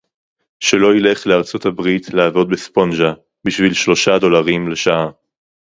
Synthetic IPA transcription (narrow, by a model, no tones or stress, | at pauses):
ʃelo̞ile̞χleaʁt͡sothabʁitʰleavo̞d̪̚bespo̞nʒa | biʃvilʃlo̞ʃado̞laʁimle̞ʃaʔa